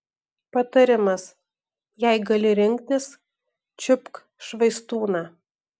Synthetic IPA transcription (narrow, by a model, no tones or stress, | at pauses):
pɐt̪ɐɾʲɪmɐs | jæɪɡɐlʲɪɾʲɪŋʲkt̪ʲɪs | t͡ʃʲʊpk | ʃʋɐɪst̪uːnɑː